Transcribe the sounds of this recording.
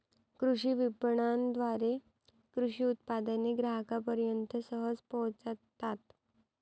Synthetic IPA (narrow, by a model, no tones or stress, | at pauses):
kɾuɕiʋipɳand̪ʋaɾe | kɾuʂiːut̪̚pad̪əneɡɾaɦkapəɾjənt̪əsəɦəd͡zpəɦt͡st̪ːat̪